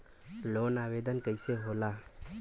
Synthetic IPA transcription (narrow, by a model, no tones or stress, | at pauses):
lonabed̪ənkəjseɦola